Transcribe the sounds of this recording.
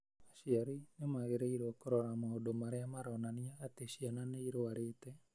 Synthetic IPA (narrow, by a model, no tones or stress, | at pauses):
aʃiaɾinemaɣeɾeiɾookoɾɔɾamaodomaɾeamaɾɔnaniaːteʃiananeiɾoaɾeːtɛ